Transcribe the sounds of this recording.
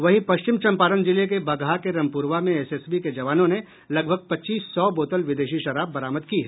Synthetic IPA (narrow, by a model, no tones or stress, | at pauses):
ʋɐɦipɐʃt͡ʃɪmt͡ʃɐ̃mpaːɾənd͡ʒɪlek̬ebɐɡakeɾɐ̃mpuːɾʋamẽɛseːsbiked͡ʒɐʋaːnõne | lɐɡ̚bʱəɡ̚pɐtːt͡ʃːiːsːɔːboːt̪əlʋɪd̪eːʃiʃɐɾaːbːɐɾaːməd̪kiɦɛː